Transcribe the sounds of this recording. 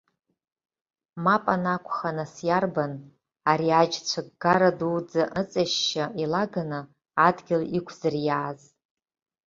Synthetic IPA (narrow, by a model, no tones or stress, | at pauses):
mapʼanakʷʰʼχanasjarban | aɾiad͡ʒt͡sʷʰaɡɡaɾaduwd͡zaʔət͡sʼaʃːailaɡanɨ | adɡʲɪlikʷʰz̥ɨrjaːz